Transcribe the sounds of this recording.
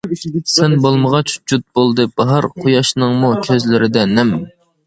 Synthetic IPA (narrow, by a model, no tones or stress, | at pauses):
sɛnbolˠməʁɑt͡ʃd͡ʒut̪̚bolˠd̪ɨb̥ɑɦɑɾqʰojɑʃnɨŋmukʲʰøzlɪɾɪd̪ɛnɛm